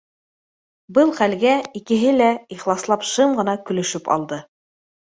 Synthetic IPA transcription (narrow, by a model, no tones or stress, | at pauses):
bɤlˠχælɡæikɘ̆ɦɘlæiχlˠɑslˠɑpʃɤmʁɤ̆nɑkɵ̆lɵ̆ʃɵpɑ̰lˠd̪ɤ